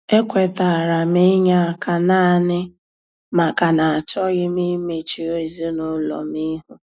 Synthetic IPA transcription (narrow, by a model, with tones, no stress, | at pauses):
e˦kʷe˨ta˨a˨ɾa˨mɪ˦ɲa˦˨kʰa˨na˦˨nɪ˦ | ma˨ka˨na˨a˨t͡ʃɔ˦ɣɪ˦mi˦me˨t͡ʃi˨o˦i˨zi˦nʊ˦lɔ̰˨mi˦ɦu˨˦